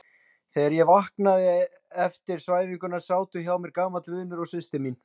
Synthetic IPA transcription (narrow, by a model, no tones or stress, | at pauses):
θɛaɾjɛvahknaðɪ | ɛft̪ɪɾ̥svaːjviŋkʏnːasaːwt̪ʏçawmɛɾkaːmat̪lʏːðɪnʏɾɔɣsɪst̪ɪmin